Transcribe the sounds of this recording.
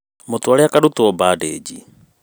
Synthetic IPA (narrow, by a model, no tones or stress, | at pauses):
mot̪uaɾɛakadut̪uɔbaːdḛːd͡ʒi